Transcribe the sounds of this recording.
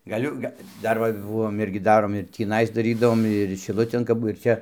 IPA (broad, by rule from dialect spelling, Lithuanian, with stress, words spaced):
ɡɐˈlʲʊ ˈɡɐ ˈdɐr ʋɐ ˈbʊʋoːm ˈɪrʲɡʲɪ ˈdɑːroːm ɪr tʲiːˈnɐɪs ˈdɑːrʲiːdɐʋoːm ɪr ʃʲɪˈlˠʊtʲeːn kɐp ˈbʊ ɪr ˈt͡ʃʲɛ